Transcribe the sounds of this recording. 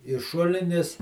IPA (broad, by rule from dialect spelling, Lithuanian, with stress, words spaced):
ɪ ˈʃʊlʲɪnʲɪs